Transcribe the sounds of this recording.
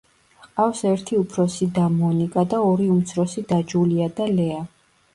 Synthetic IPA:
qʼafsɛɾt̪ʰiupʰɾɔsid̪amɔnikʼad̪aɔɾiumt̪sʰɾɔsid̪ad͡ʒuliad̪alɛa

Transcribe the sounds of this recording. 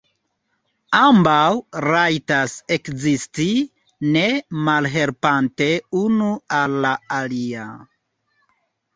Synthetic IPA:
ambawɾajtase̞kzisti | ne̞malɦe̞lpante̞unualːaalia

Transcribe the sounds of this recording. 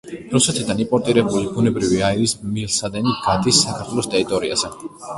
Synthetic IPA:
ɾusɛt̪ʰid̪animpʼɔɾt̪ʼiɾɛbulibunɛbɾiviaiɾismilsad̪ɛniɡad̪isːakʰaɾt̪ʰwɛlˠɔst̪ʼɛɾit̪ʼɔɾia̰zɛ

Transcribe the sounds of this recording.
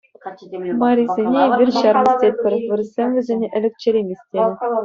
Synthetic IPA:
mɑɾʲizʲenʲeʋʲirʲɕɑrmɤ̆sʲt̪ʲet̚ʲpʲɘ̆rʲʋʲɘrzʲemʲʋʲɘ̆zʲenʲeʔɘ̆lʲɘ̆kt͡ɕĕɾʲemʲesʲtʲenʲɘ̆

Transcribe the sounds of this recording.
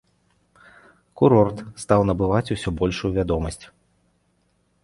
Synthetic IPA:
kuɾɔrt̪st̪awnɐbɨvat͡sʲusʲɔbɔlʲʂujuvʲad̪ɔmɐsʲt͡sʲ

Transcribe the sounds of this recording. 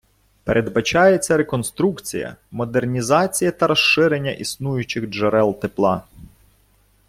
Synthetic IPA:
pḛɾʔe̞d̪bɐt͡ʃɑjet͡sʲːɐɾekɔnst̪ɾukt͡sʲijɐ̰mɔd̪ernʲizɑt͡sʲijɐt̪ɐɾɔʃɪɾenʲːɐ̰ʔisnujʊt͡ʃɪɣʒɐɾɛlˠt̪eplˠɑ

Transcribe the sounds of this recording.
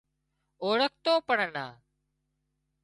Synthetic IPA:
oːɽək̚ʰt̪oːpəɳəna̰ː

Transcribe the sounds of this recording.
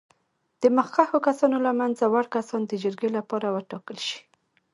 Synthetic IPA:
d̪̥əməxkaxokasɑnolamanzawaɽkasɑnd̪əd͡ʒəɾɡelapɑɾawəʈɑkəlʃi̥

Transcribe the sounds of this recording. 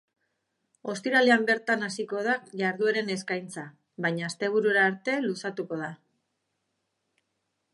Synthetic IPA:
o̞st̪iɾaleambe̞ɾt̪anasiko̞ð̞aʝaɾðueɾe̞ne̞skajnt͡sa | βajɲaːst̪e̞β̞uɾuɾaːɾt̪e̞lusat̪uko̞ð̞a

